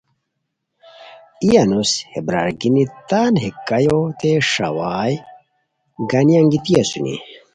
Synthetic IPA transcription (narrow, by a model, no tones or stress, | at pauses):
ijanushebɾa̰ːɾɡinit̪aːnɦikːɐjot̪eʂa̰waːj | ɡɐnijaŋɡit̪ijɐsunḭ